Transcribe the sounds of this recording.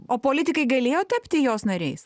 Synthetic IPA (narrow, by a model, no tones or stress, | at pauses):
oːpoːlʲɪt̪ʲɪkɐɪɡɐlʲeːjoːt̪ʲɛpʲt̪ʲɪjoːsnɐɾʲɛɪs